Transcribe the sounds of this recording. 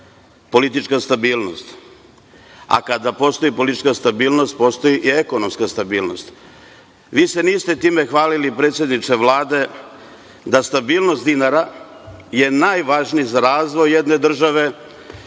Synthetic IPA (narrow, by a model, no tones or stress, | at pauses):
po̞lit̪̬it͡ʃkast̪abiːlˠno̞st̪ | a̰kad̪apo̞st̪o̞ipo̞lit̪it͡ʃkast̪abiːlno̞st̪̚po̞st̪o̞jiʔiekono̞mskast̪abiːlno̞̰st̪ | ʋiːse̞niːst̪e̞t̪iːme̞xʋaːlilipɾe̞ːt̪sje̞d̪nit͡ʃ̪eʋlˠaːd̪e̞ | d̪ast̪abiːlˠno̞st̪d̪inaɾa | je̞naːjʋaːʒnijzaɾaːzʋo̞jjed̪ne̞d̪r̩ʒaʋe̞